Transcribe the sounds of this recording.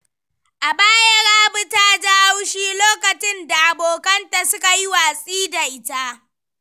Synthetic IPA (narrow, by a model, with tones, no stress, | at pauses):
ʔa˨baː˦jɐ˦ɽaː˦bʊ˦taː˦d͡ʒa˦ha˦wʃiː˦loː˦kɐ˨t͡ʃɪ˦nda˨ʔa˨boː˨kɐ˦nta˨sʊ˦ka˨ji˦waː˨sʼiː˦da˨ʔɪ˦ta˦